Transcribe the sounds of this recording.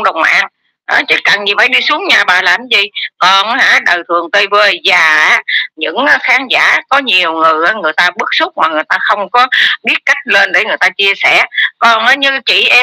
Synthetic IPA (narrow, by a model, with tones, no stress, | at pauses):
ŋ͡mɗə˨˩wŋ͡mʔa̰ː˧˩n | ʔa˨˦t͡ɕi˧˨˩ka˨˩nɲi˨˩faː˧˦jɗi˧su˨˦əŋɲaː˨˩ɓaː˨˩laː˨˩mzi˨˩kɔ˨˩nhaː˧˩ɗə˨˩wt̪ʰɨ˨˩əŋt̪ə˧jvəː˧jzaː˨˩aː˨˦ɲɨ̰˧˥ŋʔxaː˨˦ŋza̰ː˧˥kɔ˨˦ɲi˨˩əwŋɨ˨˩əjʔaː˨˦ŋɨ˨˩əjt̪aː˧ɓɨ˦˥k̚sʊ˦˥k͡p̚maː˨˩ŋɨ˨˩əjt̪aː˧xə˧wŋ͡mkɔ˨˦ɓi˦˥ət̚ka˦˥jk̟̚le˧nɗe˧˩˦ŋɨ˨˩əjt̪aː˧t͡ɕi˧əsɛ˧˩kɔ˨˩nʔaː˨˦ɲɨ˧t͡ɕḭ˧˩ʔɛ˧